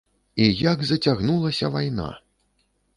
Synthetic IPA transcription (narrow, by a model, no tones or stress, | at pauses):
ijaɡzɐt͡sʲaɣnulˠɐsʲɐvajna̰